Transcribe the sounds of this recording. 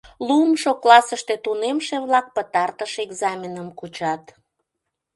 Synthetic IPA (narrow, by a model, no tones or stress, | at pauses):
lumʃoklɑsəʃt̪et̪unemʃeβlɑk̚pət̪ɑrt̪əʃeɡzɑmʲenəmkut͡ɕɑt̪